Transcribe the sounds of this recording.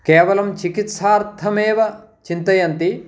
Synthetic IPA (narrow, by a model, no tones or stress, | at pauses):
kɛːʋɐlɐmt͡ʃikit̪saːɾt̪ʰɐmɛːʋɐ | t͡ʃint̪ɐjɐnt̪i